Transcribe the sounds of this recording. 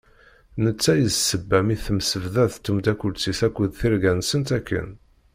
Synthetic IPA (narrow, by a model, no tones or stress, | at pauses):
nət͡sːæjəzsəbːæmiθəmsəvðæθt̪ːumd̪ækʷːʊlt͡sːiθækʷːəðθiɾɡænsənt̪ækːə̰n